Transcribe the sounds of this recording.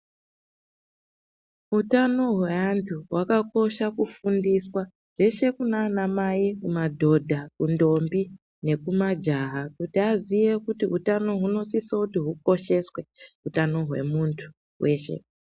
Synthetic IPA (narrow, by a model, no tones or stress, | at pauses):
ɦutano̞ɦweantʰuɦwakako̞ʃakufundiswa | ʐ̥e̞ʃe̞kunaːnamajikumadʱo̞dʱakundo̞mbi | ne̞kumad͡ʒaɦakutiazije̞kutiɦutano̞ɦuno̞sisakutiɦuko̞ʃe̞swe̞ɦutano̞ɦwe̞̰muntʰu̥ | we̞ːʃe̞̰